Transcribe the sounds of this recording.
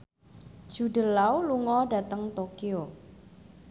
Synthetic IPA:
d̥ʒ̥ṳɖə̤lawluŋɔɖä̤t̪əŋt̪okio

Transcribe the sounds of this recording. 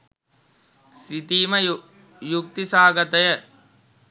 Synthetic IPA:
sit̪iːmɐ | juk̚t̪isaːɡɐt̪ɐjə

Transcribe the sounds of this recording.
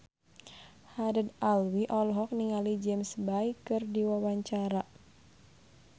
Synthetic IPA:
hadədalwiʔɔlɦɔk̚niŋalid͡ʒɛmsbajkɨrdiwawaɲt͡ʃaɾa

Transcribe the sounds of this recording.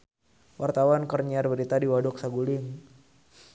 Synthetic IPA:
wart̪awankərɲiarbəɾit̪adiwadɔk̚saɡulɪŋ

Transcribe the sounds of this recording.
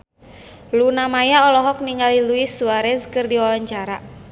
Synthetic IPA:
lunamajaɔlɔɦɔk̚niŋɡaliluisuaɾɛzkɨrdiwawaɲt͡ʃaɾa

